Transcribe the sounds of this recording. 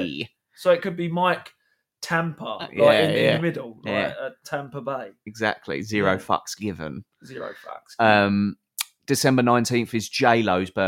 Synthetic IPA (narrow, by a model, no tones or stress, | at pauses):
səʊɪʔkəd̚bimaɪk | tʰãmpʰəjaɪɪ̃ɪ̃æəmɪdəl̩ˠlaæɪ̰kətʰãmpəbeɪɪɡza̰k̚tʰˡlḭzɪəɹəʊfʌ̰ksɡ̥ɪvə̰̃n | zɪəɹə̰ʊfʌ̰ksʌ̃m | d̥ɪsɛ̃mbənãɪ̃ntĩnθɪzd͡ʒeɪləʊzb̥ə